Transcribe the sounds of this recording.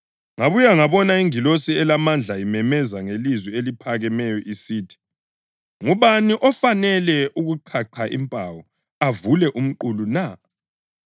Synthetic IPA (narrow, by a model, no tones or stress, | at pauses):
ŋaβujaŋaβɔnaiŋilosiɛlamand͡ɮʱaimɛmɛzaŋelizwielipʰaɣɛmɛjɔʔisiːtʰi̥ | ŋuβaniʔɔfanɛlɛʔuɣuǃʰaǃʰaʔḭmpʼawɔ | avulɛʔum̩ǃuluna